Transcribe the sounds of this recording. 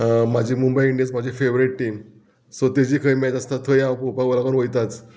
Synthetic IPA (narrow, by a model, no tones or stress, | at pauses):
mad͡ʑiːmumbəjiɳɖijə̃t͡smad͡ʑifeʋɾiʈʈiːm | sɔt̪ed͡ʑiːkʰəjmɛt̪ast̪at̪ʰəjãapopaɡolakənʋəjt̪at͡s